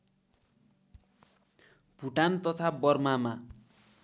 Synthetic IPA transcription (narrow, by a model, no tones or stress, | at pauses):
bʱuʈant̪ʌt̪ʰabʌrmama